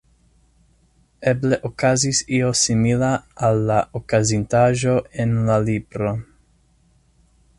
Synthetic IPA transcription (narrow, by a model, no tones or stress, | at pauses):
ebleʔokazisiosimilaalːaʔokazint̪aʒo̞enlalibɾo